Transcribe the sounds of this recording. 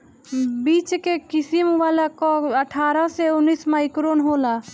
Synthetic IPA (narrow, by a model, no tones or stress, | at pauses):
biːt͡ʃkekɪsimʋaːlakoəʈʰaːɾaseʊnːiːsmaːikɾoːnɦoːlaː